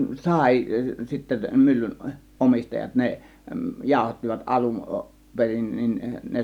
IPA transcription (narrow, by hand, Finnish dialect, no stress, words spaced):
sɑˑi sitːe mylːyn ʔomistɑjɑt ne jɑˑo̝hɑtːiʋɑt ʔɑlun perin nin ne